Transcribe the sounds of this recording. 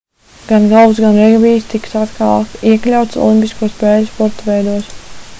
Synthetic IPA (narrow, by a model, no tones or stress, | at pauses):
ɡ̥anɡalˠvsɡanɾɛɡviːst̪iksat̪kʰalˠkt̪iɛklʲawt̪sɔ̰lˠimpʲiskuɔspɛːlʲuspɔɾt̪aʋɛjd̪uɔs